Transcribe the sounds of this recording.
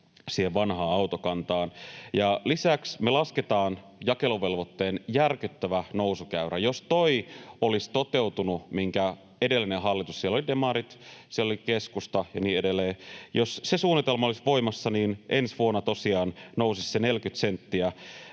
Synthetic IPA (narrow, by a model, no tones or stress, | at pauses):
siːheʋʋɑnhɑːɑut̪okɑnt̪ɑːnjɑlisæksmelɑsket̪ɑːn | jɑkeloʋelʋot̪ːeːnjærkyt̪ːæʋænousukæyɾʔæjost̪oiolist̪ot̪euwt̪unumiŋkæ | edelːineɦɑlːit̪ussielːolidemɑɾit̪sielolikeskust̪ɑjɑniːedelːeːjossesuːnːit̪elmɑolisʋo̞imɑsːɑniːnʔensʋuonːɑt̪osiɑːnnousissenelkyt̪sent̪ːiæ